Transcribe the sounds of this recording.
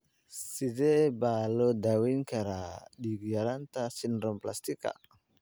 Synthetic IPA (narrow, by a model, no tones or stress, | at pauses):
sidebalodawiŋkaɾadiɡiaɾant̪asinɾɔmplast̪ika̰